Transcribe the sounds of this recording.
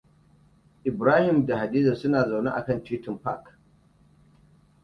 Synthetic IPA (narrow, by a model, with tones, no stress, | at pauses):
ʔɪ˨bɾaː˦hɪ˨mda˨ha˨diː˦za˨sʊ˦naː˨za˨wnḛ˦ʔa̰˨kɐ˦˨ntiː˦tɪ˨mpa̰˦˨k